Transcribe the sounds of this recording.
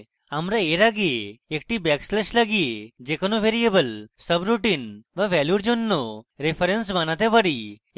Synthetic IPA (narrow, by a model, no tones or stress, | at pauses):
amɾaeɾaɡieek̚ʈibɛkslɛʃlaɡied͡ʑekənuʋeɾijebəlsəbɾuʈinʋaʋɛljuɾd͡ʒonːoɾepʰəɾensmanat̪epəɽi